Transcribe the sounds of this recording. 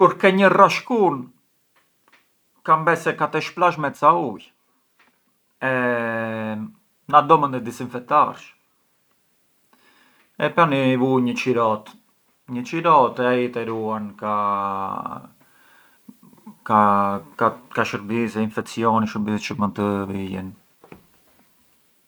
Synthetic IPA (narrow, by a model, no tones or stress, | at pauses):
kuɾkɛɲəraʃkun | kambɛsɛkat̪ɛʃplaʃ̬mɛtt͡sauj | ɛ | nad̪ɔmənd̪ɛd̪isinfɛk̚t̪aɾʃ | ɛpanivuɲət͡ʃiɾɔt̪ | ɲət͡ʃiɾɔt̪ɛait̪ɛɾuanka | kakakaʃəɾbisɛinfɛk̚siɔniʃəbist͡ʃəmənt̪əvijɛ̰n